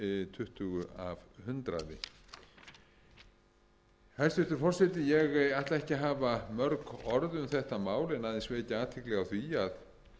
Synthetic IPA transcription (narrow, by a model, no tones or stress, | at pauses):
ɪt̪ʰʏht̪ʏɣʏavhʏnt̪ɾa̰ðɪ̰ | hɛst̪ɪft̪ʏɾfɔr̥sɛt̪ɪjɛɣajht̪laɛhcɪɦaːvamœɾkɔɾðʏmθɛht̪amaːwlɪnaːðɪnsveːcɪaːt̪ʰɪklɛɣawθviað